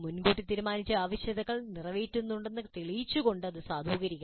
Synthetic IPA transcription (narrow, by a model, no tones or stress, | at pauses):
munɡuːʈːit̪iːɾumaːnit͡ɕːɐaːʋɐɕjɐd̪ɐɣɐɭnirɐʋeːtːunːuɳɖe̞nːɨt̪iɭijit͡ɕːuɣo̞ɳɖɨɐðɨsaːd̪ʱuːɡɐɾikʲːa